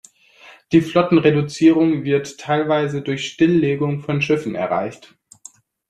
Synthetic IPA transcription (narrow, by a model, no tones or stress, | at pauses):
d̥iːflɔtn̩ʁedʊt͡siːʁ̞ʊŋvɪɐtʰːaɪlvaɪzədʊɐçʃtɪlːeːɡʊŋfɔnʃɪfn̩ɛ̰ɐʁa̰ɪçt